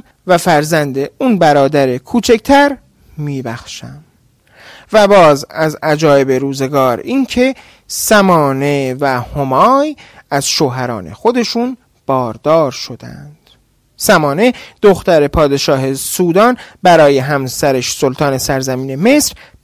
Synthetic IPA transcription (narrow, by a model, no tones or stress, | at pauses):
væfæɾzænd̪eunbæɾɒːd̪æɾe̞kʰuːt͡ʃʰecʰt̪ʰæɾ | miːbæxʃæm | væbɒːzæzæd͡ʒɒːe̞be̞ɾuːze̞ɡɒːɾiːncʰe̞ | sæmɒːne̞væhomɒːjæz̥ʃoːɦæɾɒ̰ːnḛxo̞d̪e̞ʃuːn | b̥ɒːɾd̪ɒːɾʃo̞d̪æ̰nd̪̥ | sæmɒːne̞d̪̥oxt̪æɾe̞pʰɒːd̪e̞ʃɒːɦe̞suːd̪ɒːnbæɾɒːje̞ɦæmsæɾeʃsolt̪ʰɒːne̞sæɾzæmiːne̞me̞sɾ